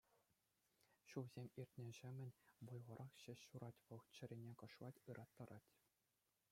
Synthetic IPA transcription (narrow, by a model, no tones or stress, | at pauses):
ɕuʋzʲemʲirʲtʲnʲɘ̆ʑɘ̆mʲɘ̆nʲʋujʁɤ̆ɾʔɑχɕɘ̆ɕɕuɾɑtʲʋɤ̆ʁt͡ɕɘ̆ɾʲinʲekɤ̆ʂʋˠɑtʲɯɾʔɑt̪ːɤ̆ɾɑtʲ